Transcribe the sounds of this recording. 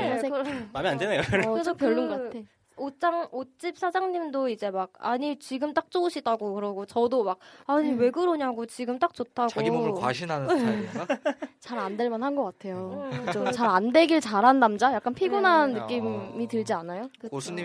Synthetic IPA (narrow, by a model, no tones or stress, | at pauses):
mamiandenejoɯopjʌɭːuŋɡʌatʰe | ot͡ɕ͈aŋot͡ɕ͈ip̚sʰad͡ʑaŋɲimdoid͡ʑe̞mak̚a̰ɲit͡ɕiɡɯmt͈ak̚t͡ɕ͈ouɕʰidaɡokɯɾʌɡot͡ɕʌdomak̚aɲiwe̞ɡɯɾoɲaɡot͡ɕiɡɯmt͈ak̚t͡ɕ͈otʰaɡowa̰ɕʰinɦanɯ | t͡ɕaɾandeɭmʌnɦhanɡʌk͈atʰe̞jokɯd͡ʑot͡ɕaɾande̞ɡiɭt͡ɕaɾɦanːamd͡ʑajak͈anpʰiɡunanːɯk͈imːitɯɭd͡ʑianajoosʰɯi